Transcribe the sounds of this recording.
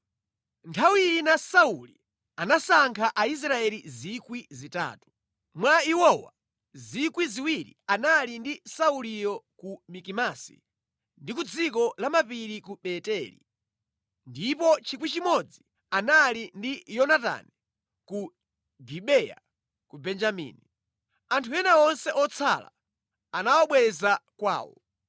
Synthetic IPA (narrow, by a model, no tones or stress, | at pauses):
ntʰawiinasauli | anasaŋkʰaʔais̬ɾaɛlizikwizita̰ːtu̥ | mwaiwɔwa̰ | zikwiziwiɾḭanalindisaulijɔkumikimasḭ | ndikud͡zik̬ɔlamapiɾikuɓɛtɛlḭ | ndipɔt͡ʃʰikwit͡ʃimɔd͡zi | analindijɔnata̰ni | ku | ɡiɓɛja̰ | kubɛnd͡ʒamḭːni | antʰujɛnaɔnsɛʔɔt͡sʰa̰la̰ | anawɔɓwɛzakwa̰ːwɔ̰